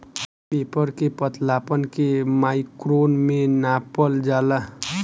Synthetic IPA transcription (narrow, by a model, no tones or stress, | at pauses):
pepʌɾkepʌt̪lapʌnkemajkɾonmenapʌld͡ʒala